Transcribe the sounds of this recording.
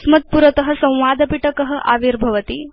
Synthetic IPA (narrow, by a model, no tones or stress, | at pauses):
smɐt̪̚puɾɐt̪ɐɦɐ̆sɐ̃w̃ʋaːd̪ɐpiʈɐkəɦɐ̆ʔa̰ːʋiɾbʱɐʋɐt̪i